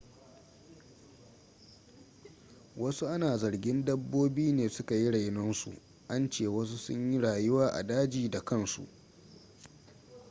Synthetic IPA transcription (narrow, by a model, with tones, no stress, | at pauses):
wɐ˦su˦ʔa˦naː˨zɐ˨ɽɡʲɪ˦ndɐ˦bːoː˦biː˦neː˨sʊ˦ka˨ji˦ɽa˨jnɔ˦nsṵ˨ | ʔa˦nt͡ʃeː˨wɐ˦s̬u˦sʊ̰˦ɲji˦ɽaː˨jʊ˦waː˦ʔa̰˨daː˦d͡ʒiː˨da˨kɐ˦˨nsṵ˨ʔ